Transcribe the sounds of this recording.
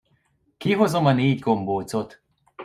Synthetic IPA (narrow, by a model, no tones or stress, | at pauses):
kiɦozomɒneːɟɡomboːt͡sot̪